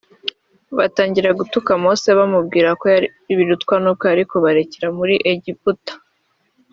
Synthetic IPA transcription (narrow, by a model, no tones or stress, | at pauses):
βataːɲɟiɾaɡutukamoːseβamubɡiːɾako | βiɾutkwanuːb̚ko̞aɾiko̞βaɾe̞ceɾamuɾiʔeɟiputḁ